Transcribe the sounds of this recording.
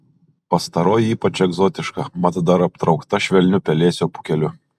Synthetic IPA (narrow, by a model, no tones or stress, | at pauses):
pɐst̪ɐɾoːjiːpɐt͡ʃɛɡzɔːt̪ʲɪʃkɐmɑt̪ɐd̪ɐɾɐp̚t̪ɾɒʊkt̪ɐʃʲʋʲɛlʲnʲʊpʲɛlʲeːsʲoːpʊ̥kʲɛlʲʊ